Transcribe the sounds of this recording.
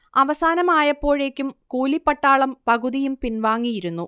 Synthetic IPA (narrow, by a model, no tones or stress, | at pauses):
ɐʋɐsaːnɐmaːjɐpːo̞ːɻeːkʲːumkuːlipːɐʈːaːɭɐmpɐɣuðijumpinʋaːŋːijiɾunːu